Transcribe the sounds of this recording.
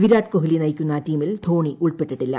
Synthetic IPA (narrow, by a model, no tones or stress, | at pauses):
ʋiɾaːʈkoɦilinɐjkʲːunːɐːtiːmild̪ʰʱo̞ːɳiʔuɭpeʈːiʈːilːɐ̰